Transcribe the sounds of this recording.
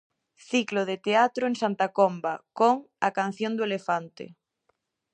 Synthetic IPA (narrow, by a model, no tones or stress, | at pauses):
θikloðet̪eat̪ɾʊeŋsant̪akombakoŋ | akan̟θjond̪oelefant̪ɪ̰